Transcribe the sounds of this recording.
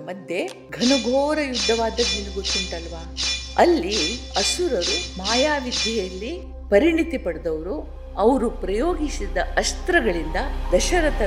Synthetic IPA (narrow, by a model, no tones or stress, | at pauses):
mɐd̪je | ɡʱɐnɐɡʱoːɾɐjud̪ʱːɐʋaːd̪ɐɡilːiɡot̪ːuɳʈɐlʋaːɐlːi | ɐsuɾɐɾumaːjaːʋid̪ʱjɐjɐlːi | pɐɾiɳit̪ipɐɽd̪ɐʋɐɾu | ɐʋɐɾupɾɐjoːɡisid̪ɐʔɐst̪ɾɐɡɐɭind̪ɐd̪ɐʃɐɾɐt̪ɐ